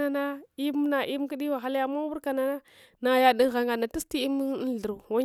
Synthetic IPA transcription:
a˨na˦i˦m˦na˨ʔi˦mki˦di˦wa˨xa˦la˦ja˨ma˦wu˦ɾka˨na˨na˦ | na˨ja˨di˦ŋ˦ɣa˨ŋɡa˨na˨ti˦sti˦i˦m˦˨ɬə˨ɾu˨wa˦

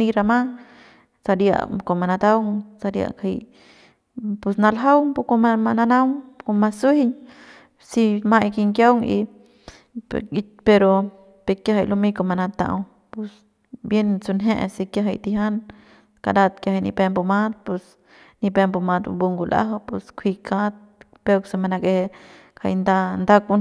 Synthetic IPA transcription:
niɾa˧ma˦ | sa˧ɾja̰˧ko˨ma˨na˧d̪a˦wŋsa˧ɾja̰˧kʰi | pu˧sna˧laɦa˦wpu˧koamana˧na˦wŋko˧masuhiɲ | si˧majki˧ŋkja˦wŋḭ˧ | pe˧ɾo˧ | pekja˧ɦa˧˨jlu˧miko˧ma˧na˧t̪a̰˧w | pu˧s | bje˧nt͡su˧nɦe˦ʔsi˧kja˧ɦa˧jt̪i˧ɦa˦n | ka̰˧ɾa˧t̪̚kja˧ha˧jnḭ˧pe˧mpo˧ma˦t̪̚pu˧s | ni˧pe˧mpu˧ma˧d̪bu˧ŋɡu˧la̰˦ɦa˧pṵ˧skʰi˧kʰa˦t̪̚ | pe˧kse˧ma˧na˧ke˧hekʰa̰˧jnd̪a˧nd̪a˦ku

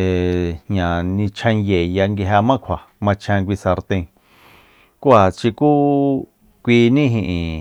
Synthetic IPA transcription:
e˨hɲã˨nĩ˧t͡ʃʰã˧ŋje˨ja˧ŋɡi˧ɦa˧mã˦kʷʰa˨ | mã˧t͡ʃʰã˧kʷi˧sa˧ɾt̪ẽ˧ | ku˦a˨t͡ʃi˧ku˦ | kʷi˧nĩ˦ɦĩ˧ʔĩ˨

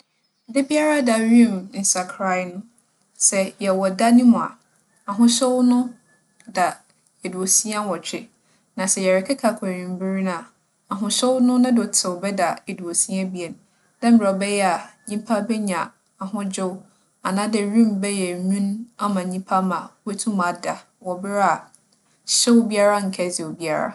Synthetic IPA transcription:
dɪ˦bi˦a˦ɾa˦da˨ɾĩ˦˨mn̩˨sa˨kʰɾa˦˨˦nʊ̃˦ | sɛ˨jɛ˨wɔ˨da˦nĩ˦mʊ̃˨a̰˨ | a˨ɦʊ̃˦ɕo˦wnʊ̃˦ | da˨ | e˨du˨o˨si˦a˦wɔ˨t͡ɕᶣɪ˨ | nã˨sɛ˦˨jɛ˨ɾɪ˨kʰɛ˦kʰa˨kʰa˨ɲĩ˨m˦bɪ˦ɾi˦na˨ | a˨ɦʊ̃˨ɕɛ˦wnʊ̃˦nʊ̃˦dɔ˨tʰɪ˨wɔ˨bɛ˦da˨e˨du˨o˨sĩ˦a˦bi˦e˨n˨ | dɛ̃˦m̩bɾɛ˨ɔ˨bɛ˦jɛ˦a˨ɲĩ˦pʰa˦bɛ˦ɲã˨ | a˨ɦʊ̃˦d͡ʑʊ˦w | a˨nã˦dɪ˨ɾĩ˦mbɛ˦jɛ˨ɲũ˦na˦mã˨ɲĩ˦pʰa˦mã˨we˦tʰũ˦mã˨˦da˨ | wɔ˨bɪ˦ɾa˨ | ɕɛ˦wbi˦a˦ɾa˦ŋ̩˨kʰɛ˦zi˨o˨bi˦a˦ɾa̰˦˨

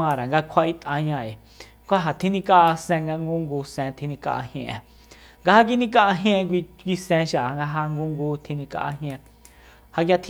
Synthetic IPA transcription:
ã˧˨ɾa˨ŋɡa˧kʷʰa˧i˧t̪ʼã˧ɲã˧e˨ | kʷa˦ɦa˨t̪ʰĩ˦nĩ˧ka˦ʔsɛ̃˧ŋɡa˧ŋɡu˦ŋɡuː˧sẽ˧t̪ʰĩ˧nĩ˧ka̰˧ʔa̰˧hj̃ḛ̃˧ʔẽ˨ | ŋɡa˧ha˧k̬i˧nĩ˧˦ka˧ʔa˧ɦj̃ẽ˧kʷi˧kʷi˧sẽ˧ʃa˨ŋɡa˧ɦa˧ŋɡu˦ŋɡuː˧˦t̪ʰi˧nĩ˧ka̰˧ʔa̰˧ɦj̃ẽ˧ | ha˧kja˧t̪ʰ

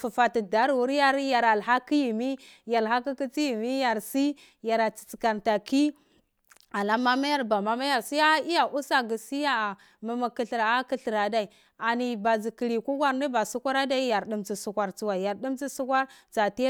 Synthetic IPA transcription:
fu˨fa˨ti˨da˨˦ɾwu˨˦ɾa˦ɾja˨ɾa˨lɦa˦ki˦ji˨mi˦ja˨lɦa˦ki˦ki˦t͡si˦ji˨mi˦ja˨ɾsi˦ | ja˨ɾa˨t͡si̥˨t͡si̥˨ka˨nta˨ki˦ | a˨la˦ma˦ma˦ja˦ɾba˨ma˦ma˦ja˨ɾsi˦a˦i˦ja˨ʔu˦sa˦ɡi˨si˦ja˦˨ | ma˨ma˨ki˨ɬi˨ɾa˦ki˦ɬi˨ɾa˨da˨i˨ | a˨ni˨ba˨zi˨ki˨ɾi˨ku˦ɡʷa˨ɾni˦ba˨su˦kʷa˦ɾa˦da˦i˦ja˨ɾɗi˦mt͡si˨su˦kʷa˨ɾt͡su˦wa˨ja˨ɾdi˦mt͡si˦su˦kʷa˦ɾt͡sa˨ti˦

